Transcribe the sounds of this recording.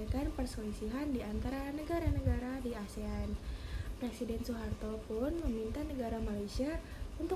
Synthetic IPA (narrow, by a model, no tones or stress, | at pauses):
ak̪anpərsoisiɦandiant̪aɾanəɡaɾanəɡaɾadiaseanpɾɛsidɛnsuɦart̪ɔpʊnməmint̪anəɡaɾamalasia | unt̪ʊ